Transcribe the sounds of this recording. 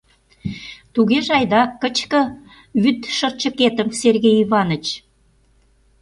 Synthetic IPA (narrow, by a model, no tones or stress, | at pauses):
t̪uɣeʒɑjd̪ɑkːət͡ɕkə̆ | βyt̪ʃə̆rt͡ɕə̆ket̪əmserɣejiβɑnə̆t͡ɕ